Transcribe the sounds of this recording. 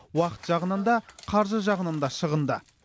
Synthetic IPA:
wɑqə̥t̪ʒ̥ɑʁənənd̪ɑqʰɑɾʒəʒɑʁənənd̪ɑʃəʁənd̪ə

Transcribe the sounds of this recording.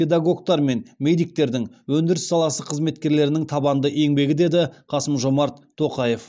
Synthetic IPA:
pe̞d̪aɡo̞ɡ̚t̪ɑɾme̞nmejd̪ijk̚t̪e̞ɾd̪ɪŋwɵnd̪ɪɾɪsːɑlˠɑsəqʰəzme̞t̪kʲe̞ɾle̞ɾɪnɪŋt̪ʰɑbɑnd̪əʔe̞ŋbe̞ɡʲɪd̪e̞d̪ɪqʰɑsəmʒo̞mɑɾt̪ʰːo̞qɑje̞f

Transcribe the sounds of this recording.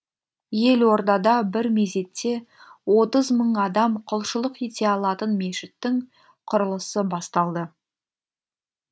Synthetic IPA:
je̞lwo̞ɾd̪ɑd̪ɑbɪɾmeze̞t̪ːe̞wo̞t̪əzməɴɑd̪ɑmqʰʊlˠʃəlˠəqet̪e̞ɑlˠɑt̪ənme̞ʃɪt̪ːɪŋ | qʰʊɾəlˠəsəbɑst̪ɑlˠd̪ə

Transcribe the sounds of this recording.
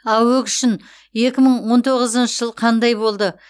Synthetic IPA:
ɑwɵkʏ̥ʃɪn | je̞kʲɪməɴwo̞nt̪ʰoʁəzənʃəʒəlˠqʰɑnd̪ɑjbo̞lˠd̪ə

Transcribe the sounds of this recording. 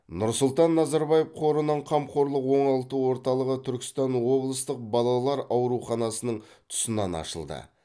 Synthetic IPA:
nʊɾsʊlˠt̪ɑnːɑzɑɾbɑjefqʰo̞ɾənəɴqʰɑmqʰo̞ɾlˠəqwo̞ɴɑlˠt̪əwo̞ɾt̪ɑlˠəʁət̪ʰʏɾkʲɪ̥st̪ɑnwo̞blˠəst̪əq̚bɑlˠɑlˠɑɾɑwɾuχɑnɑsənəɴ | t̪ʰʊ̥sənɑnɑ̰ʃəlˠd̪ə̰

